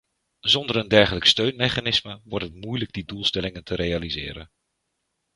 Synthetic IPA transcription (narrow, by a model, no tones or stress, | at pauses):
zɔndəɾəndɛɹχələkstøɥnmejχaːnɪsməʋɔɹtɦətmujləɡ̚didulˠstɛlɪŋəntʰəɾejalizɪ̰ːɾə̰n